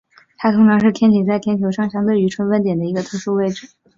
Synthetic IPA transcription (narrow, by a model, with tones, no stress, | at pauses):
t̪ʰa˥t̪ʰʊ˧˥ŋʈ͡ʂʰɑ˧˥ŋʂɻ̩˥˩t̪ʰjɛ˥nt̪ʰi˨˩t͡sa˥˩ɪt̪ʰjɛ˥nt̪ʰjo˧˥ʊʂɑ˥˩ŋɕjɑ˥ŋt̪we˥˩y˧˥ʈ͡ʂʰwə˥nfə˥nt̪jɛ˨˩nd̪ə˦i˧˥ɡə˧t̪ʰɤ˧˥ʂu˥˧we˥˧ɪʈ͡ʂɻ̩˨˩˦